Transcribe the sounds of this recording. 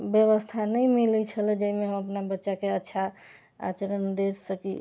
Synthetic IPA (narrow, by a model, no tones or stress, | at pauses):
bjəβəst̪ʰanəmilit͡ʃʰəlɛd͡ʒəimeɦəməpnabətːʃakeətːʃʰa | a̰t͡ʃəɾənd̪esəkḭ